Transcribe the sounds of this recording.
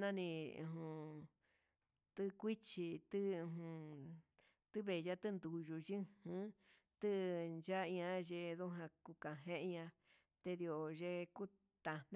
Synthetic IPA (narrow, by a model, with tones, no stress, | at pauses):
nã˦˧nḭ̃˧ɦũ˧˨ | t̪ɨ˦kʷi˦t͡ʃi˧t̪ɨ˦˧ɦũ˧ | t̪ɨ˦βe˨ja˦t̪ɨ˦nd̪u˨ʒu˧ʒĩ˦hɨ̃˦ | t̪ɨ˦nd͡ʒa˦˧ɲã˧ʒe˧ðo˦ɦã˧ku˧ka˨ɦẽ˧ʔɲã˧ | t̪e˧ði˧o˨ʒe˧ku˦ | t̪a˧n̥